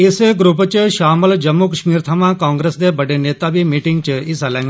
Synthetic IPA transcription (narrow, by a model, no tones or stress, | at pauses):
ɪsəɡɾupət͡ʃəʃaːməld͡ʒɐmːukəʃmiːɾt̪ʰamãkãːŋɡɾesd̪ebəɖeneːt̪abimiːʈiŋɡ̚t͡ʃəisalẽŋɡ